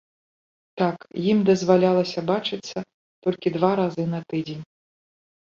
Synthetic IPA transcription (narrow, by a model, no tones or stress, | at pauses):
t̪akjimd̪ɐzvalʲalˠɐsʲɐbat͡ʂɨt̪sːɐ | t̪ɔlʲkʲid̪vaɾazɨnɐt̪ɨd͡zʲenʲ